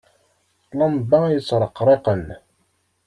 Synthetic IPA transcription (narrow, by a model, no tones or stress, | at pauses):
lɑmbɑjət͡sːɾˤəqɾˤeqən